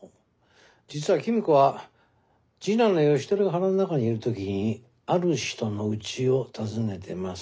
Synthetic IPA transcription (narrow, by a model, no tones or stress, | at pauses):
d͡ʑit͡sɨβakʲimʲikɯβa | d͡ʑinãnːojo̞ɕi̥t̪oɾɯɡaɦaɾanɯnakaɲ̟iiɾɯ̟t̪o̞kʲiɲ̟i | aɾɯ̟ɕi̥t̪o̞no̞ɯ̟t͡ɕio̞t̪ʰazɨne̞t̪ʰe̞mas